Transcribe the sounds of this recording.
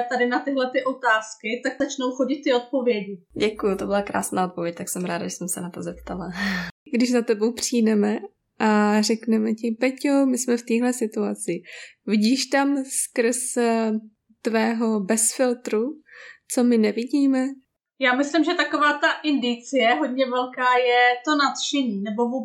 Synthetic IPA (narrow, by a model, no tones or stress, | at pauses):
t̪adɪnat̪ɪɦlɛt̪ɪʔo̞t̪aːskɪt̪akzat͡ʃnowxoɟɪt̪̚t̪ːɪot̪̚po̞vjɛɟɪɟɛkujut̪obɪlakɾa̰ːsnaːʔot̪̚po̞vjɛc̚t̪aksɛmɾaːdaʒɛsɛmsɛ̰nat̪ozɛp̚t̪alaɡdɪʒzat̪ɛbowpr̝̥iːdɛmɛ | ʔar̝ɛknɛmɛcɪpɛcjomɪsmɛft̪iːɦlɛsɪt̪uat͡sɪvɪɟiːʃt̪amskr̩s | t̪vɛːɦo̞bɛsfɪlt̪ɾut͡somɪnɛvɪɟiːmɛ | jaːmɪslɪmʒɛt̪akovaːt̪aʔɪndɪt͡sɪjɛɦod̪̚ɲɛvɛlkaːjɛt̪onat̪ʃɛɲiːnɛbovuːb